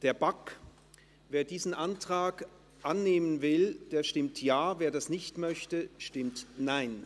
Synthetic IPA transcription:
d̥eːɐbak | veːɐdiːzn̩ʔantʁ̥aːk | ʔanːeːmənvɪld̥eːɐʃtɪmtʰjaːveːɐdasnɪçtmœçtəʃtɪmtnaɪn

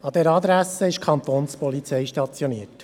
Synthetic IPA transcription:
ɑd̥̪ɛɾɑd̪ɾæsəɪʃkʰχɑnt̪oːnspɔlit͡sɛɪʃtɑt͡sjoniət

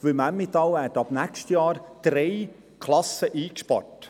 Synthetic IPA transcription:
ʋɪmæmːɪt̪ɑwhɛtːɑbnækʃtjɑːɾd̪̥ɾɛj | kʰlɑsəʔiːkʃpɑ̰ɾt

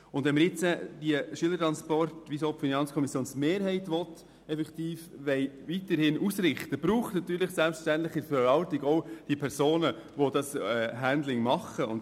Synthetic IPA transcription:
ʊndvɛnməɾjɪt͡səd̥iəʃyələɾtɾɑnspɔrtʋisoːpfinɑnt͡skʰɔmisjoːnsmeːɾɦɛɪtʋɔt | ɛfɛkt̪iːfʋɛɪʋitəɾhɪnʔusɾɪχtəb̥ɾuːχtnɑt̪yːɾlɪχsɛlpʃtæntlɪχəfəɾʋɑltiɡɔd̥iəpʰɛɾsoːnə | ʋodɑsɛɦændlɪŋmɑχəʊnt

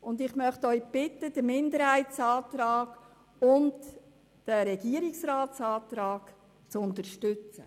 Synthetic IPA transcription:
ʊnd̪ɪχmœχtœʏb̥ɪtːəd̥əmɪndəɾhæɪtt͡sɑːt̪ɾɑːɡ | ʊnt | d̥əɾɛɡ̥iəɾɪksraːtt͡sɑːt̪ɾɑːɡ̥ | t͡sʊnt̪əɾʃtʏt͡sə

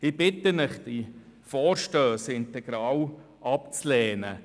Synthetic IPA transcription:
ɪbɪtənɪχd̥ifɔːɾʃtøːsɪntɛɡ̥ɾɑːw | ʔɑp̚t͡slɛːnə̰

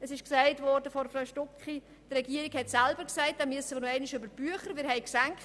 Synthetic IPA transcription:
ɛsɪʃksæɪtvɔɾdəfɔnfɾaʊʃtʊkχi | trɛɡiːɾikhɛtsɛlbəɾksæɪt̚d̥amyəsəmənɛɪnɪʃøbəɾb̥yəχəɾmɪːɾhɛɪksɛŋkt

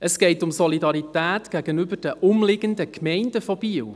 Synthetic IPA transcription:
əsɡ̥ɛɪtʊmsɔlidɑɾitæːtɡ̥æɡənybərd̥əʔʊmlɪɡ̥əndəkmɛɪnd̥əfɔb̥iːw

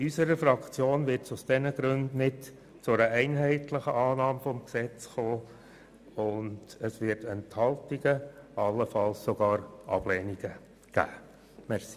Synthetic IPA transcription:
ysəɾəfɾɑkt͡sjoːnʋɪɾtsʊsd̥ɛnəɡ̥ɾʉndnɪt | t͡sʊæɾəʔɛɪnɦɛɪtləχəʔɑːnɑːmfɔmksɛt͡sχoː | ʊnd̥əsʋɪɾtɛnthɑltiɡəʔɑlːəfɑlssoɡ̥ɑːɾɑ̰b̥lɛniɡ̥ə | ɡ̥æ̰ː | mɛɾsi̥

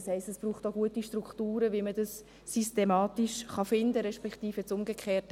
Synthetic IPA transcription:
shɛɪstɛsb̥ɾuːχtoɡuətiʃtrukχtuːɾəʋimədɑsː | ystemɑːtiʃχɑfɪndəɾɛʃpɛktiːfət͡sʊmɡəkʰχeːt

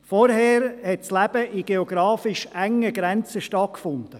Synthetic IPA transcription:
fɔɾɦɛːɾhɛtslæb̥əʔiɡ̥eɔɡɾɑːfɪʃæŋəɡɾɛnt͡səʃtɑt̚kfʊnd̥ə

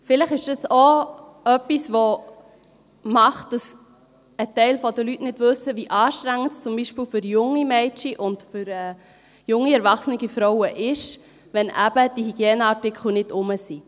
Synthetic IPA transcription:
fɪləχɪʃd̥ɑso | œpːisʋo | mɑχtd̥ɑs | ətɛɪlfɔdəlytnɪdvɵsəviʔɑːʃtɾæŋːəntst͡sʊmbiʃpiːlfʏɾjʊŋːimɛɪt͡ʃiʔʊntfʏɾɛː | jʊŋːiɛɾvɑχsənɪɡifɾɔʊəʔɪʃ | vɛnʔæ̰bəd̥ihiɡ̥jeːnəɑtɪkχl̩nɪdʊməsi

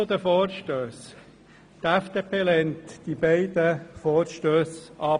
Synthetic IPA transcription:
d̪əfɔːɾʃtøːs | t̪æfd̥eːpʰeːlɛnt̪d̥̪ibɛɪd̪əfɔːɾʃtøːsʔɑː

